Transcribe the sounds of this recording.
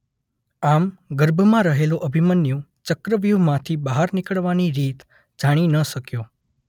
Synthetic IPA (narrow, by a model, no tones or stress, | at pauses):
amɡəɾbʱəmãɾəɦeloʔəbʱimənjũt͡ʃəkɾəʋjumãt̪ʰibəɦaɾnikəɭʋaniɾit̪ | d͡ʒaɽ̃inəʃəkjo